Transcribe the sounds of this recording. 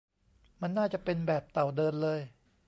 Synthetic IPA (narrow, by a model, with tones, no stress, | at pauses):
ma˧nːaː˥˩t͡ɕa˨˩pe˧nbɛː˨˩p̚t̪a˨˩wdɤː˧nlɤː˧j